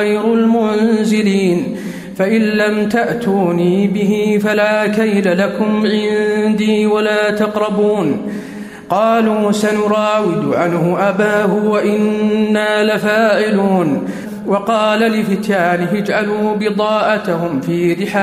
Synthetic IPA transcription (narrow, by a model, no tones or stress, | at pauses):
ajɾʊlmʊnzɪliːn | faʔɪlːamt̪aʔt̪uːniːbɪɦifalaːkajlalakʊmʕɪnd̪iːwalaːt̪ɑqɾˤɑbuːn | qɑːluːsanʊɾˤɑːwɪd̪ʊʕanhʊʔabaːhʊwaʔɪnːaːlafaːʔɪluːn | wɑqɑːlalɪfɪt̪jaːnɪɦɪd͡ʒʕaluːbɪd̪ˤɑːʔat̪ahʊmfiːɾɪħaː